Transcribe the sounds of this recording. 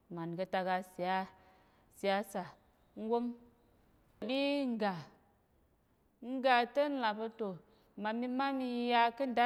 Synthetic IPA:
ma˨nkə˧ta˧ɡa˧si˨a˦ | si˨ja˨˦sa˨ | ŋ̩˦ɡo˦m˨ | ɗi˦ŋ˦˨ɡa˨ | ŋ̩˦ɡa˨tə˦n̩˦la˨bə˧to˨ | ma˨mi˧ma˦mi˧˦ja˧kə˦n˦da˦

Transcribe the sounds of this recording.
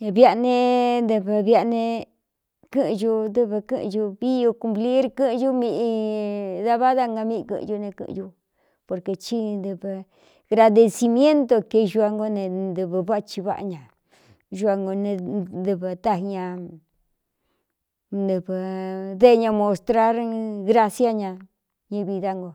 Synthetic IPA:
βja˧ʔnẽ˧nd̪ɨ˧βɨ˧βja˧nẽ˧ | kɨ˦ʔʒu˧d̪ɨ˧βɨ˧kɨ̃˦ʔʒu˧βi˦jo˧ku˧mpli˦ɾkɨ̃˦˧ʒu˦mĩ˧ʔi˧ða˦βa˦ða˦ŋɡa˧mĩ˧ʔkɨ̰̃˧ʒu˧nẽ˧kɨ̰̃˧ʔu˧ | po˨ɾke˧t͡ʃi˧nd̪ɨ˧βɨ˧ | ɣɾa˧ðe˧si˧mj̃ẽ˦nt̪o˧ke˧ʒu˧a˧ŋɡo˦nẽ˧nd̪ɨ˧βɨ˧βa˦˧t͡ʃi˧βa̰˦ʔa̰˧ɲã˨ | ʒu˧a˧ŋɡo˧nẽ˧d̪ɨ˧βɨ˧t̪a˦˧ɦɲã˧ | nd̪ɨ˧βɨ˧ðe˦˧ɲã˧mõ˧st̪ɾa˦ɾɣɾa˦sja˦ɲã˧ | ɲĩ˧βi˧ða˧ŋɡo˧

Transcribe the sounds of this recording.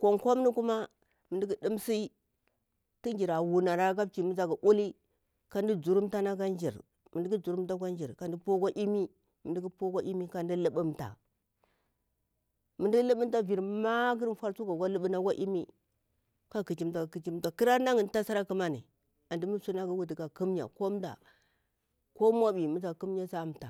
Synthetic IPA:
kʷo˨ŋkʷa˦mni˦ku˦ma˦ | mə˨ndi˦ɡi˦di˦msi˦ | ti˦nd͡ʒi˨ɾa˨wu˨na˨ɾa˦ɡa˦b̚t͡ʃi˨mi˦d͡za˨ɡa˨ʔu˦li˦ | ka˨n˦di˦d͡zu˨ɾu˦mta˦na˦ɡa˦nd͡ʒḭ˨ɾ | mi˨di˦ɡi˦d͡zu˨ɾu˦mta˦ɡʷa˦nd͡ʒi˨ɾka˨n˨di˦po˦ɡa˦ʔi˦mi˦ | mi˨ndi˦ɡi˦po˦ɡa˦ʔi˦mi˦ka˨ndi˦lə˦ɓu˦mta̰˨ | mə˨ndi˦ɡi˦lə˦ɓə˦m˦ta˦vi˨ɾma˦ɡi˦ɾfa˦ɾsu˦ɡa˨ɡa˦lə˦ɓə˦na˦ɡʷa˦ʔi˦mi˦ | ka˦ki˨t͡ʃi˦mta˨ki˨t͡ʃi˦ta˨ki˦ɾa˦na˦ŋi˨n˦ta˦sa˦ɾa˦ki˦ma˦nḭ˨ | a˨ndi˦mu˦su˦na˦ɡi˦wu˨di˨ka˨ku˦mɲa̰˨ko˦m˦da̰˨ | ko˦mʷa˦bi˨mu˦d͡za˨ku˦m˦ɲa˦sa˦˨mta̰˨

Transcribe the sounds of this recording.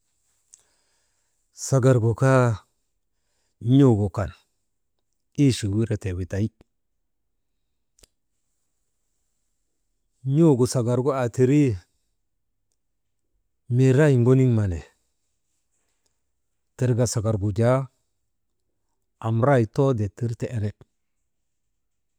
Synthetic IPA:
sa˨ɡa˨ɾɡo˨ka˦ | ɲo˦ɡo˨ka˨n | i˦ʃi˨wi˦ɾe˦te˨wi˨ta˨i˦ | ɲo˦ɡo˨sa˨ɡa˨ɾɡo˦a˨ti˨ɾi˦ | me˨ɾa˦ji˨ŋɡo˦ni˦ŋma˨ne˨ | te˨ɾɡa˨sa˨ɡa˨ɾɡu˨d͡ʒa˦ | a˨mɾa˦jto˦de˨ti˦ɾte˦˨ʔe˦ne˨

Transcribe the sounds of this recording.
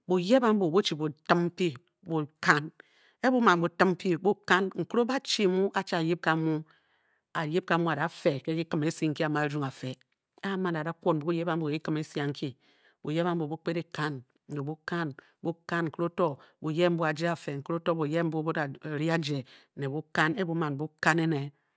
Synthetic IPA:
bo˨je˦ba˦m̩˦bo˨bo˦t͡ʃi˨bo˨tɨ˦m˦pi˦ | bo˨ka˦n | e˦bu˦ma˨bo˨tɨ˦m˦pi˦bu˦ka˦nŋ̩˨ku˦o˦ba˦t͡ʃi˦˨mu˦ʔa˦t͡ʃi˦a˨ji˦p̚ka˨mu˦ | a˨je˦p̚ka˨˦mu˦a˨da˨fe˨ke˦ki˦kɨ˨me˨˦si˦ŋ̩˨ki˦a˨ma˨˦d͡ʒu˦ŋa˨fe˨ | e˦a˦ma˨na˨da˦kʷo˦˨n˨bu˨˦u˦je˦ba˦m˦bu˨˦i˦kɨ˦me˦sja˨ŋ̩˦kʰi˦ | bu˨je˦ba˦m̩˦bo˨bu˦k͡pe˦ɾe˨ka˦n˨ | ne˨bu˦ka˦n | bu˦ka˦nŋ̩˨ku˦ɾo˦to˦bu˨je˦m̩˦bu˦a˨d͡ʒe˦a˨fe˨ŋ̩˨ku˦ɾo˦to˦bu˨je˦m̩˦bu˦bu˦a˨ɾi˦a˦d͡ʒe˨ne˨bu˦ka˦ne˦bu˦ma˨n˨bu˦ka˦ne˦ne˨

